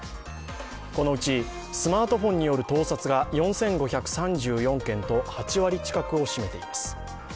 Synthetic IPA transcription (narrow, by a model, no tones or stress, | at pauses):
ko̞no̞ɯ̟t͡ɕi | sɨmaːt̪o̞ɸõ̞ɲ̟ːijo̞ɾɯ̟t̪o̞ːsat͡sɨɡajõ̞ɰ̃sẽ̞ŋɡo̞çakɯ̟̥sãɲd͡ʑɨːjõ̞ŋkẽ̞nt̪o̞hat͡ɕiβaɾʲit͡ɕi̥kakɯ̟o̞ɕime̞t̪e̞imasɨ̥